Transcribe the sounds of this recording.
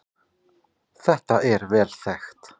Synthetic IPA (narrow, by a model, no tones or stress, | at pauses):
θɛht̪aʔɛɾvɛːlθɛxt̪